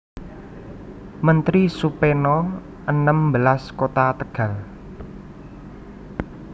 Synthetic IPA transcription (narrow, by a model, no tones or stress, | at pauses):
mənt̪ɾisupenɔ | ʔənəmbəlaskot̪at̪əɡ̥a̤l